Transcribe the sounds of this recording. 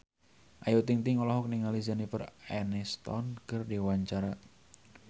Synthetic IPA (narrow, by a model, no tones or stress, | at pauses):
ʔajut̪iŋt̪iŋɔlɔɦɔk̚niŋalizanifərɛnɛst̪ɔ̰nkərdiwaɲt͡ʃaɾa